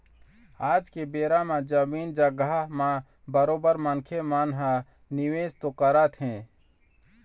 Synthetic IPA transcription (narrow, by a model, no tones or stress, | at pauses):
aːd͡ʒkebeːɾamãd͡ʒəmiːnd͡ʒəɡamã | bəɾoːbəɾmənkʰemaːnɦa | nɪweːd͡ʒt̪okəɾət̪ɦɛ̃ː